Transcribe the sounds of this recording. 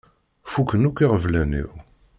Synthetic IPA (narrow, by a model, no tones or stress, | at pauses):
fukːənukʷːiʁəvlænḭw